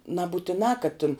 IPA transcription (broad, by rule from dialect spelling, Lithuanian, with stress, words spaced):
nɐbʊtʲɪˈnɑː kɐt tʲɪn